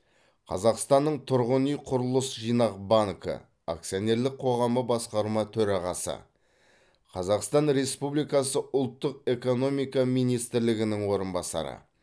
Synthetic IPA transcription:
qʰɑ̰zɑqst̪ɑnːəɴt̪ʰʊɾʁənijqʰʊɾəlˠəsʒijnɑqbaŋkə̰ | a̰k̚sione̞ɾlɪk̚qʰo̞ʁɑməbɑsqɑɾmɑt̪ʰɵɾɑʁɑsə̰ | qʰɑzɑqst̪ɑnɾe̞spublijkɑsəʔʊlˠt̪ːəqe̞ko̞no̞mijkɑmijnijst̪ɪɾlɪɡʲɪnɪŋwo̞ɾənbɑsɑ̰ɾə̰

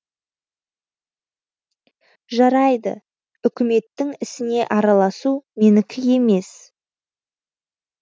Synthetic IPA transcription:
ʒɑɾɑjd̪ə̰ | ʏkʲɪme̞t̪ːɪŋɪsɪne̞ʔɑɾɑlˠɑsumenɪkʲʰɪje̞me̞s

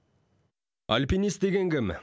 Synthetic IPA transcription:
alʲpinist̪d̪e̞ɡʲe̞ŋɡʲɪm

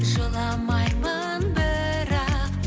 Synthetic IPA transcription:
ʒəlˠɑmɑjmə | nbɪ | ɾɑq

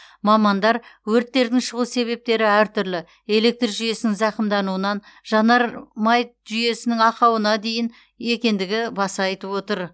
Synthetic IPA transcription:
mɑmɑnd̪ɑɾwɵɾt̪ːe̞ɾd̪ɪŋʃəʁuse̞βe̞p̚t̪e̞ɾɪæɾt̪ʰʏɾlɪ | e̞le̞k̚t̪rʒʏje̞sɪnɪŋzɑqəmd̪ɑnuənɑn | ʒɑnɑɾmɑjt̪ | ʒʏje̞sɪnɪŋɑqɑwənɑd̪e̞jɪn | e̞kʲe̞nd̪ɪɡʲɪbɑsɑjt̪əpwo̞t̪əɾ

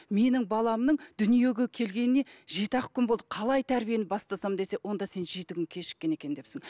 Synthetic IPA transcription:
me̞nɪŋbɑlˠɑmnəɴd̪̥ʏnije̞ɡʲe̞kʲʰe̞lɡʲe̞nɪne̞ʒe̞t̪ɑqkʰʲʏnbo̞lˠd̪əqʰɑlˠɑjt̪ʰæɾbije̞nɪbɑst̪ɑsɑmd̪e̞se̞wʔo̞nd̪ɑse̞nʒe̞t̪ɪkʲʏnkʲʰe̞ʃɪ̥kʲːe̞ne̞kʲend̪e̞sɪŋ

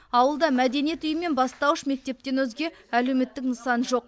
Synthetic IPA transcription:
ɑwəlˠd̪ɑmæd̪e̞nije̞t̪ʏjəmːe̞nbɑst̪ɑwəʃme̞k̚t̪e̞p̚t̪e̞nwɵzɡʲe̞ | æle̞wme̞t̪ːɪknəsɑnʒo̞q̚

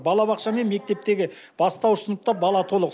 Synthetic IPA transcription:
bɑlˠɑβɑqʃɑme̞nme̞k̚t̪e̞p̚t̪e̞ɡʲɪ | b̥ɑst̪ɑwsənəp̚t̪ɑp̚bɑlˠɑt̪ʰo̞lˠəq

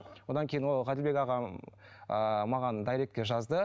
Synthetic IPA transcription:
wo̞d̪ɑŋkʲʰejɪnwo̞lˠʁɑd̪ɪlbe̞kɑʁɑ | əmɑʁɑnd̪ɑjɾe̞k̚t̪̚ʲkʲe̞ʒɑzd̪ə

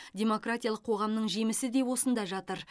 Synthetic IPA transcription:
dʲe̞mo̞kratʲijɑlˠəqʰo̞ʁɑmnəɴʒe̞mɪsɪd̪e̞wo̞sənd̪ɑʒɑt̪əɾ

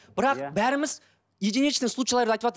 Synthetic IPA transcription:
b̥ɪɾɑqbæɾɪmɪz | jed̪eneʃɪd̪ɪŋslˠut͡ʃːʃlˠɑɾd̪əɑjt̪əpɑt̪

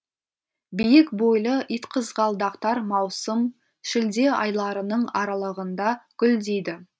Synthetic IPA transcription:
bijɪkbo̞jlˠəʔijt̪qʰəzʁɑlˠd̪ɑqt̪ɑɾmɑwsəm | ʃɪld̪e̞ʔɑ̰jlˠɑɾənəɴɑɾɑlˠəʁənd̪ɑɡ̥ʲʏld̪ejd̪ɪ

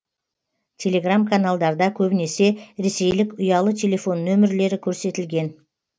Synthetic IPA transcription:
tʲʰe̞lʲe̞ɡramkʰanalˠd̪ɑɾd̪ɑkʲʰɵbɪne̞se̞ɾe̞se̞jlɪkʊjɑlˠət̪ʲʰe̞lʲe̞fo̞nːɵmɪɾle̞ɾɪkʲʰɵɾse̞t̪ɪlɡʲe̞n

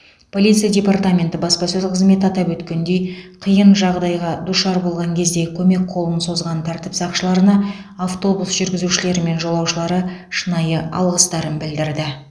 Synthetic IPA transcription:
pʰo̞lʲijt̪sɨijadʲe̞part̪amʲe̞nt̪ɪbɑspɑsɵzqʰəzme̞t̪ɑt̪ɑpwɵt̪kʲe̞nd̪e̞jqʰijənʒɑʁd̪ɑjʁɑd̪ʊʃɑɾbo̞lˠʁɑŋkʲʰe̞zd̪e̞kʲʰɵme̞k̚qʰo̞lˠənso̞zʁɑnt̪ʰæɾt̪ɪpsɑqʃəlˠɑɾənɑ | aft̪o̞busʒʏɾɡʲɪzuʃɪle̞ɾɪme̞nʒo̞lˠɑwʃəlˠɑɾəʃənɑjəɑ̰lˠʁəst̪ɑɾənbɪld̪ɪɾd̪ɪ

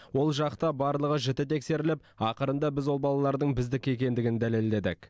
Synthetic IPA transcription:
wo̞lˠʒɑqt̪ɑbɑɾlˠəʁəʒɪt̪ɪt̪ʰe̞kse̞ɾɪlɪp̚ɑqəɾənd̪ɑbɪzwo̞lˠbɑlˠɑlˠɑɾd̪əɴbɪzd̪ɪkʲe̞kʲe̞nd̪ɪɡʲɪnd̪æle̞ld̪e̞d̪ɪ̰k

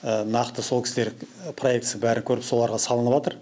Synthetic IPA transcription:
ənɑqt̪əso̞lˠkʰʲɪ̥sd̪e̞ɾpʰro̞je̞k̚t̪sɪŋbæɾɪŋkʲʰɵɾɪpso̞lˠɑɾʁɑsɑlˠənəpʒɑt̪əɾ

